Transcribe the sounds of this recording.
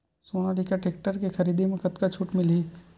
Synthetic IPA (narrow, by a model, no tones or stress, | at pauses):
soːnaɖikaʈeːk̚ʈəɾkexɐɾiːd̪emẽkɐt̪kat͡ʃʰuːʈmɪli